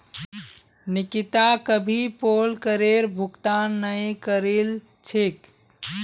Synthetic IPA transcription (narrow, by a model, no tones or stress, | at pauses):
nikit̪akəbʱipolkəɾeɾbʱukt̪anːəjkəɾil | t͡ʃʰik